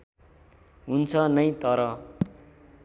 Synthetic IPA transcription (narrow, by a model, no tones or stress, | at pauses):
ɦunt͡sʰʌnʌjt̪ʌɾʌ